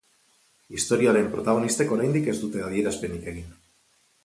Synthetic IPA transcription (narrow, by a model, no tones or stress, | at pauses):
ist̪o̞ɾiaɾe̞mpɾo̞t̪aɣ̞o̞nist̪e̞ko̞ɾajnd̪ike̞zd̪ut̪e̞aðie̞ɾaspe̞nike̞ɣ̞in